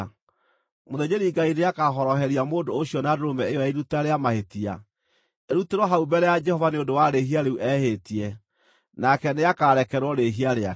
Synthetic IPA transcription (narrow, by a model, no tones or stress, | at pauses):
moðed͡ʒeɾiɡaineakaɦɔɾɔɦɛɾiamodoːɕiɔnadoɾomɛejɔɛiɾutaɾeamahetia̰ | eɾuteɾwɔɦaubɛɾɛjad͡ʒɛhɔvaneondowaɾeɦiaɾeuʔɛhetiɛ | nakɛneakaɾɛkɛɾwɔɾeɦiaɾea